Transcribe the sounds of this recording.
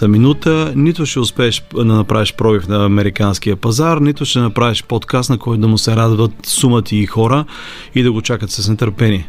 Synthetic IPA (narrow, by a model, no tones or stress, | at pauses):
t̪əminut̪ənit̪ʊʃɛʊspɛːʃd̪ɐnɐpɾaviʃpɾɔbifnɐːmɛɾikanskiəpɐzaɾnit̪ʊʃt̪ɛnɐpɾaviʃpot̪kast̪nɐkɔjt̪ʊd̪ɐmʊsɛɾad̪vət̪sumət̪ʰiːxɔɾə | id̪ɐɡot͡ʃakət̪səsnɛt̪əɾpɛni